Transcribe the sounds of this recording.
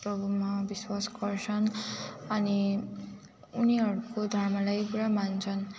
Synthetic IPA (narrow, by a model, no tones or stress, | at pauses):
prʌbʱumabiswasɡʌrt͡sʰʌnʌni | uniɦʌɾukod̪ʱʌrmʌlajkuɾamant͡sʰʌn